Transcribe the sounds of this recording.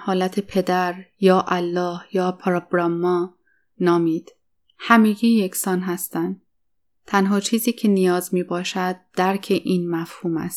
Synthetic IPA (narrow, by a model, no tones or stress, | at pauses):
hɒːlæt̪ʰe̞pʰe̞d̪æɾjɒːʔælːɒːhjɒːpʰɾoɡɾɒmːɒː | nɒːmiːd̪̥ | hæmiːɡiːjecʰsɒːnɦæst̪ænd̪ | t̪ʰænɦɒːt͡ʃʰiːziːcʰe̞nijɒːzmiːbɒːʃæd̪̚d̥̪æɾcʰe̞ʔiːnmæfhuːmæ̰st̪